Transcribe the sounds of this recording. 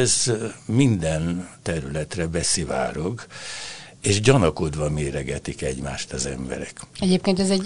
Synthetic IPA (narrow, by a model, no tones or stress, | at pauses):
zmind̪ɛnt̪ɛɾylɛt̪rɛbɛsiva̰ːɾoɡ | eːʃɟɒnɒkod̪ʋɒmeːɾɛɡɛt̪ikɛɟma̰ːʃt̪ɒzɛ̰mbɛ̰ɾɛkɛɟeːpkeːnt̪ɛzɛɟ